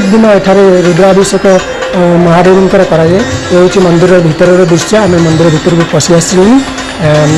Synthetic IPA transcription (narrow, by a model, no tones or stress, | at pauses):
k̚d̪inɔeʈʰaɾeɾud̪ɾabisɔkɔ | mɔɦad̪ɔɾɔnkɔɾakɔɾajeeɦut͡ʃʰimɔnd̪iɾɔbʱit̪ɔɾɔɾɔb̪isɔːmimɔnd̪iɾɔbʱit̪ɔɾɔkupɔsiasilin